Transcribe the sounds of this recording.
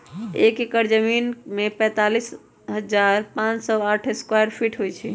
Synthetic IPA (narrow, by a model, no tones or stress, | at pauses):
ekekəɾd͡ʒəminmepɛ̃t̪alis | ɦəd͡ʒaɾpãt͡ʃsɔaʈʰeskwajɾpʰiʈɦojt͡ʃʰi